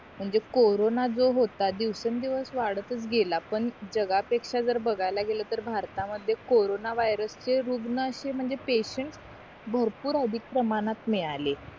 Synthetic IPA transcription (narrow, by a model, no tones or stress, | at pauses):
m̤əɳd͡zekoɾonad͡zoɦot̪ad̪iʋsənd̪iʋəsʋaɽət̪ət͡sɡʱelapəɳd͡ʑəɡapekʂad͡zəɾbəɡʱajlaɡelət̪əɾbʱaɾt̪aməd̪ʱːjekoɾonaʋajɾəst͡ɕeɾuɡnəəɕem̤əɳd͡zepeɕəɳʈs | bʱəɾpuːɾəd̪ʱik̚pɾəmanat̪miɭale